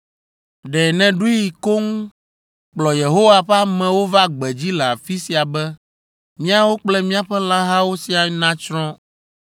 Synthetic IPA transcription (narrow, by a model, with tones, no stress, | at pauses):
ɖɛ˨nɛ̃˨ɖu˦i˨ko˦ŋũ˦ | k͡plɔ˨je˨ɦo˦wa˨ɸa˦mɛ̃˨wo˦va˦ɡ͡bɛ˨d͡ʑi˦lɛ˨a˨fi˦si˨a˨bɛ˦ | mĩ˦a˦wo˦k͡plɛ˦mĩ˦a˨ɸɛ˦la˦ɦa˦wo˦si˦a˨˦nã˦t͡ʃɾɔ̃˦